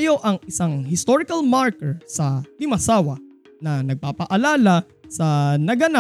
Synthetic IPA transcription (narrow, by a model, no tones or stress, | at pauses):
joʔɐŋɪsaŋɦɪst̪oɾɪkɐlmaɹkɛɹsɐd̪ɪmɐsaːwɐ | nɐnɐɡ̚papɐʔɐlaːla | sɐnɐɡɐna